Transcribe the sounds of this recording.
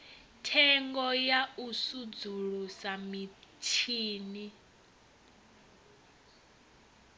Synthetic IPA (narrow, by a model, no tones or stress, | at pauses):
tʰɛŋɡɔjausud͡zuɺusamitʰiːni